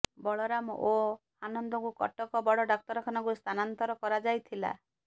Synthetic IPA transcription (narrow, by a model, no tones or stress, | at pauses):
bɔɭɔɾamɔ̰ʔo | anɔnd̪ɔŋkukɔ̰ʈɔkɔbɔɽɔɖɔk̚t̪ɔɾɔkʰanɔŋkust̪ʰanant̪ɔɾɔkɔɾad͡ʒajt̪ʰila̰